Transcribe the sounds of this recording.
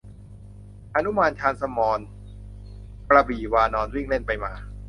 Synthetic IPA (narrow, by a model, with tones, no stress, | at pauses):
ʔa˧nu˦˥maː˧nt͡ɕʰaː˧nsa˧mɔː˧n | pɾa˧biː˨˩waː˧nɔː˧nwiː˥˩ŋle˥˩npa˧jmaː˧